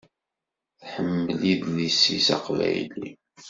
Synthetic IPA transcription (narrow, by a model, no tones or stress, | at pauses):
θħəmːəliðnisisɑqvæ̰jlḭ